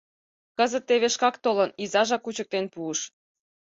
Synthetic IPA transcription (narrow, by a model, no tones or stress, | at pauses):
kəzə̆t̪ːeβeʃkɑkt̪olənizɑʒɑkːut͡ɕə̆k̚t̪enpuəʃ